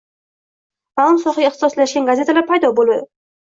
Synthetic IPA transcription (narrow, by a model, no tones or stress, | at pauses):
malˠmsɒχaɡʲeχt̪ɪ̥sɒslaʃɡʲanɡaze̞t̪ʰalaɾpʰajd̪ɒbolˠad̪ɪ